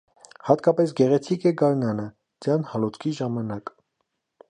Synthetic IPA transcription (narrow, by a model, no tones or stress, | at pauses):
hɑt̪kɑpɛs̬ɡɛʁɛt͡sʰikɛɡɑɾnɑnə | d͡zjɑnhɑlɔt͡skʰiʒɑmɑnɑk